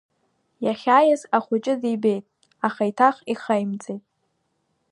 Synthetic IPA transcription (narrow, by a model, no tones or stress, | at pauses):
jaχʲaːjazaχʷʊt͡ʃʼɪzibe̞jtʼ | aχaitʰaχiχajmt͡sʼejtʼ